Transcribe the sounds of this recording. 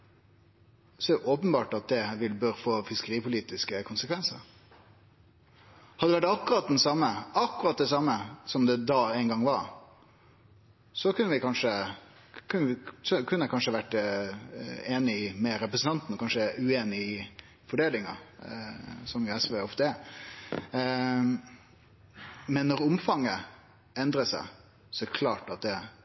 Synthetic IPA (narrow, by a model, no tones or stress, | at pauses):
sɔɛʔɔːpənbɑːʈɑt̪̚d̪ɛʋɪlbøɾfoːfɪskəɾiːpʊliːt̪ɪskəkʰʊnsəkʰʋɛnsə̰ɾ | hɑd̪ːɛʋæʈɑkːʊɾɑt̪̚d̪ɛnsɑmːəɑkːʊɾɑt̪̚d̪ɛsɑmːəsɔmd̪ɛd̪ɑæɪnɡɑŋʋɑɾ | sɔkʉnːəʋɪkʰɑnʂə | kʰʉnːɪsɔkʰʉnːəkʰɑnʂəʋæʈː | eːnɪmɛɾɛpɾəsn̩t̪ɑnt̪nɔkɑnʂəʉeːnɪɪ | fɔɖeːlɪŋɑ̰ | sɔmjɛsʋeɔft̪əɛ | mɛnːɔɾʊmfɑŋːə | ɛnd̪ɾəsæ̰ɪ | sɔæɾkʰlɑːʈɑt̪̚d̪ɛ